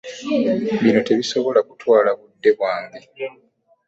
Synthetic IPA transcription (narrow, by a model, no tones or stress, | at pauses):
βino̞te̞βiso̞βo̞lakutwaːlaβudːe̞βwaːmi